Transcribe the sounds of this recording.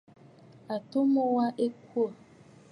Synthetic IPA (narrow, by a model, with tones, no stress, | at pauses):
a˨to˦mo˦wa˦ʔe˦ku˦ɔ˨